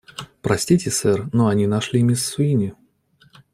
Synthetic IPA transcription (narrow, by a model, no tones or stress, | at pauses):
pɾɐsʲtʲitʲɪsɛrnoɐnʲinɐʂlʲimʲɪsːʊinʲɪ